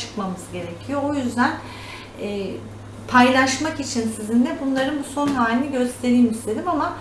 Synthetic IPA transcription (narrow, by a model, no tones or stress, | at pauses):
ɯ̥kmamɯzɟe̞ɾe̞cʰijo̞ojyzd̪æn | ɛː | pʰajlˠaʃmakit͡ʃʰinsizind̪ɛbunlˠaɾɯnbuso̞nɦaːlʲiniɟø̞st̪ʰe̞ɾiːmist̪ʰe̞d̪imama